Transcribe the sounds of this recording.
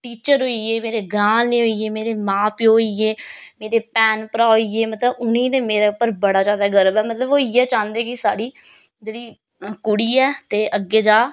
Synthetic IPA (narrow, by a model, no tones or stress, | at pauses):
ʈiːt͡ʃəɾɦoːieːmeːɾeːɡɾãːnneːɦoiːeːmeːɾeːmãːpɪoːiːeːmeːɾeːpɛːnpəɾaːɦoiːeːmət̪ləbʊnĩːd̪eːmeːɾeːʊpəɾbəɽaːd͡ʒaːd̪aːɡəɾəbɛːmət̪ləboːiɛːt͡ʃãːnd̪eːkɪsaːɽiː | d͡ʒeːɽiː | kʊɽiːɛːt̪eːʔəɡːeːd͡ʒaː